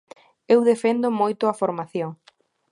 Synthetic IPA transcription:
ewðefend̪ʊmojt̪ʊɐfoɾmaθjoŋ

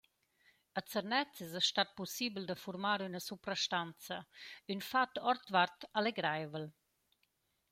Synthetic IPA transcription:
ət͡səɾnɛt͡sɪzɛʃtat̪̚pɔsibld̪əfuɾmaɾynəsupɾaʃtant͡səynfat̪ɔrt̪vart̪aleɡɾajvəl

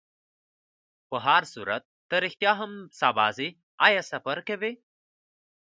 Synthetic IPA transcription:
pəɦaːɾsuːɾɐ̰t̪̚ːɐɾixt̪jaːɦɐmsaːbaːzi | ajɐsɐpɐɾkeʋe

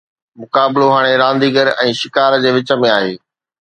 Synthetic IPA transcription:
mʊkaːbɪloɦaːɽ̃eɾãːnd̪iːɡəɾɛ̃ːʃɪkaːɾd͡ʑeːʋɪt͡ɕə̆mẽaːɦeː

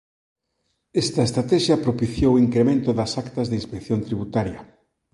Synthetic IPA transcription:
ɛst̪ɐest̪ɾat̪ɛʃɐpɾopiθjowiŋkɾemẽnt̪ʊðɐsakt̪ɐzðinspekθjont̪ɾiβut̪aɾjɐ

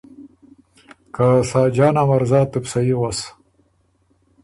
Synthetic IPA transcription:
kasaːd͡ʒɑːnamaɾzɑːt̪upsajiwas

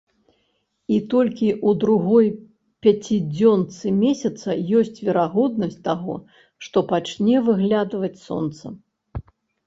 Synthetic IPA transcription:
it̪ɔlʲkʲiʔud̪ɾuɣɔj | pʲat͡sʲid͡zʲɔnt̪sɨmʲɛsʲɐt̪sɐjɔsʲt͡sʲvʲɛɾaɣɔd̪̚nɐs̚ʲt̪aɣɔ̰ | ʂt̪ɔpat͡ʃnʲɛvɨɣlʲad̪vɐt͡sʲsɔ̰nt̪sɐ̰

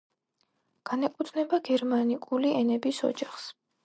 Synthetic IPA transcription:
ɡ̥anɛkʼut̪ʰnɛbaɡɛɾmanikʼuliɛnɛbisɔ̰d͡ʒaχs

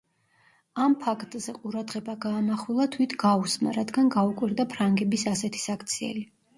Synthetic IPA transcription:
ampʰakʰt̪ʼz̥ɛqʼuɾad̪ʁɛbaɡaːmaχwilˠat̪ʰwit̪ʰɡausma̰ɾad̪ɡanɡaukʼwiɾd̪apʰɾaŋɡɛbisasɛt̪ʰi̥sakʰt̪sʰiɛ̰li

